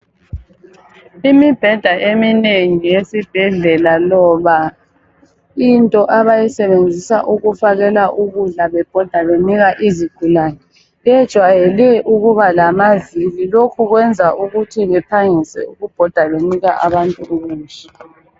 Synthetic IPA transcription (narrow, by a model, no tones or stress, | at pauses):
imib̥ʱɛd̥ʱaʔemineŋijesib̥ʱɛɮɛlalɔβa | intʼɔʔaβajisɛβend͡zʱisaʔuɣufaɣɛlaʔuɣuɮaβɛb̥ʱɔd̥ʱaβeniɣaʔiziɡ̥ʱulaːnɛ | ɛd̥ʒ̥ʱwajɛlɛʔuɣuβalamazililokʰuɣwɛnd͡zʱaʔuɣutʰiβɛpʰaŋisɛ̰uɣub̥ʱɔd̥ʱaβeniɣaʔa̰βantʼuuɣuːnt͡ʃʼɛ